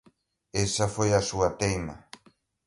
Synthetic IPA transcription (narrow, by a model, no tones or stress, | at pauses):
esɐfojɐsuat̪ejma̰